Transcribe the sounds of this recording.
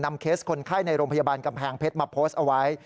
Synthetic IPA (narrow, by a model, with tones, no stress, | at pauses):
na˧mkʰeː˦˥s̚kʰo˧nkʰaː˥˩jna˧jɾoː˧mpʰjaː˧baː˧nka˧mpʰaː˧ŋpʰe˦˥t̪̚ma˧pʰːoː˦˥st̪ʔa˧wa˦˥j